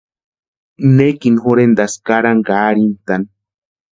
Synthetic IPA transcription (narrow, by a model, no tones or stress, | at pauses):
nekinxoɾend̪askaɾaŋɡaːɾint̪an